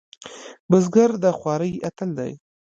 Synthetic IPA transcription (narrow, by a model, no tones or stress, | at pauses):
bəzɡaɾd̪əxwɑɾəjat̪əld̪a̰j